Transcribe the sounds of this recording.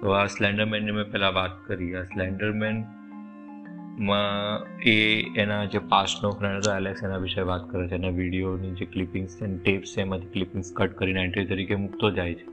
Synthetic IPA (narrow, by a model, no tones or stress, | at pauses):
t̪oaslɛ̃ɳɖəɾmɛnːemẽpɛɦlãʋat̪̚kəɾiaslɛ̃ɳɖəɾmɛn | mãeenad͡ʒepasnofɾɛ̃ɳɖɦt̪oɛleksenaʋɪʃəjʋat̪kəɾat͡ʃʰeːnaʋiɽijonid͡ʒeklɪpɪ̃ŋɡst͡ʃenʈepseːmãt̪ʰi̥klipɪ̃ŋɡskəʈkəɾinɛ̃ɳʈɾit̪əɾikemʊkt̪od͡ʒajt͡ʃʰe̥